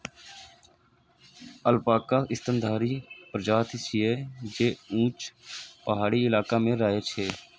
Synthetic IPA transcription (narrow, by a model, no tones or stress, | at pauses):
əlpaːkaːɪst̪ənd̪ʱaːɾiːpɾəd͡ʒaːt̪ːsieːd͡ʒeːũːt͡ʃpəɦaːɽiːɪlaːkaːmẽːɾaːet͡ʃʰeː